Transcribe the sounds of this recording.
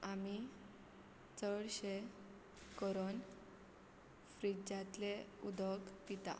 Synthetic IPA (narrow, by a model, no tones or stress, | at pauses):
ami | t͡səɭɕe | kəɾon | fɾid͡ʑat̪leud̪ʱɔkpit̪a̰